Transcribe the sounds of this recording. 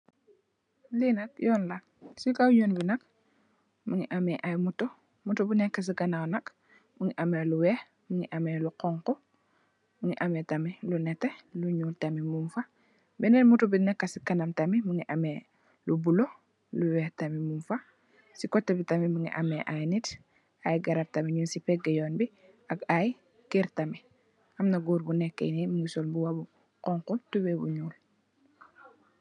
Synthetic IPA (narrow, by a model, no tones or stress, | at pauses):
linak̚jɔːnla | sikawɲonbinɐk̚ | muŋḭʔameʔajmuto | mutubinɛkːas̬ikanawnɐk | muŋiʔameluwɛːh | muŋiʔameluqɔŋkɔ | muŋiʔametamilunɛteluɲuːltamimumfa | bɛnɛnmutubinɛkːasikanamtamimuŋiʔame | lubulo | luwɛtamimumfa | sikɔtːebitamimuŋḭʔameʔajnit | ajɡaɾab̚tamiɲunsipɛɡɛjɔːnbi | aɡaj | kiɾtami | ʔɐmnaɡuːɾbunɛkːḛnimuŋɡisɔlbuwabu | kɔŋkutubebṵɲuːl